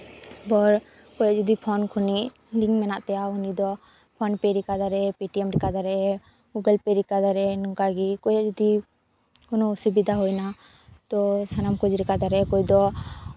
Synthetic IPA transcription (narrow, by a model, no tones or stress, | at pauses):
bɔɾ | kɔjaʔd͡ʒɔd̪ipʰɔnkʰɔniʔ | liŋmɛnaʔt̪ɛjaunid̪ɔ | pʰɔnpɛɾikad̪aɾɛpiʈiɛmɾikad̪aɾɛ | ɡuɡɛlpɛɾikad̪aɾɛnuŋkaɡikɔjaʔd͡ʒɔd̪i | kɔnɔːsibid̪aɦɔjna | t̪ɔsanamkɔd͡ʒɾɛkad̪aɾɛkɔjd̪ɔ